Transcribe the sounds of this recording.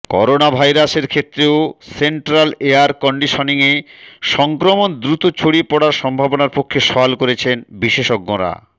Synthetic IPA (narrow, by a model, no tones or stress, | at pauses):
kɔ̰ɾonabʱajɾaseɾkʰet̪ːɾeoseɳʈɾaleaɾkɔɳɖiʃoniŋeʃɔŋkɾomond̪ɾut̪ot͡ɕʰoɽipɔɽaɾʃɔmbʱabonaɾpokʰːeʃɔalkoɾet͡ɕʰenbiʃeʃɔk̚ɡoɾa̰